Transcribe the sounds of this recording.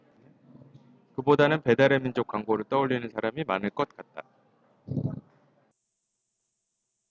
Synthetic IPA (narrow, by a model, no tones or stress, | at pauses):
kɯbodanɯnpe̞daɾemind͡ʑok͈̚waŋɡoɾɯɭt͈ʌuʎːinɯnsʰaɾamimanɯɭk͈ʌt̚k͈at̚t͈a